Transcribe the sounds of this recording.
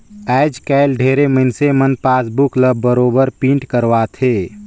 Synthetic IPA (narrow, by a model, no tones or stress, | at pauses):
ɛːd͡ʒkɛːlɖʱeːɾeməɪnsemənpaːsbukləbːəɾoːbəɾpĩːɳʈkəɾwat̪ʰeː